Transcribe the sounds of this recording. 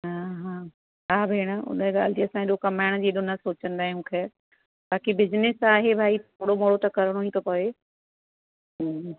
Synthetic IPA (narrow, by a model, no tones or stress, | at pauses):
ɦaːɦãː | ɦaːbʱɪːɽ̃əʊ̰nɡa̰ːl̤ɪt̪iɐsãeɗokɐmaːɪɽ̃d͡ʑiːɗʊnəsoːt͡ɕə̃nd̪aːɦiũːkʰeː | baːkibɪznɪsaːɦebʱaːit̪oːɽomoɽot̪ɐkɐɾəɽ̃oɦĩt̪ʰopoːe